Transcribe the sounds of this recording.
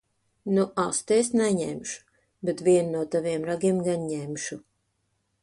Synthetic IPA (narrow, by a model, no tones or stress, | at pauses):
nuʔast̪esnɛɲɛmʃu̥ | bet̪vʲiɛnnuɔt̪aviɛmɾaɡʲiɛmɡanɲɛmʃu